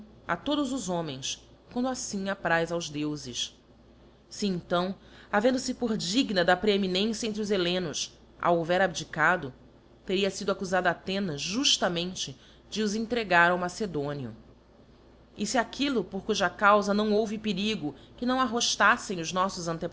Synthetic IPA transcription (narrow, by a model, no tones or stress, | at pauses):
a̰t̪od̪ʊzʊzõmẽj̃s | kwɐ̃nd̪ʊasĩŋapɾajzawʒd̪ewzɪʃ | siẽt̪ɐ̃w̃avẽnd̪ʊsɪpoɾd͡ʒiɡnɐd̪ɐpɾeeminẽsjɐẽnt̪ɾiʊzelẽnʊs | ʔa̰wovɛɾabd͡ʒikad̪ʊ | t̪eɾiɐsid̪ʊakuzad̪at̪ẽnɐzʒuʃt̪ɐmẽnt͡ʃɪ | d͡ʒɪʊzẽŋt̪ɾeɡaɾawmased̪õniʊ̰ | ɪsɪakʰilʊpoχkuʒakawzɐnɐ̃w̃owvɪpeɾiɡʊkɪnɐ̃w̃aɦoʃt̪asẽj̃ʊznɔsʊzɐ̃nt̪ep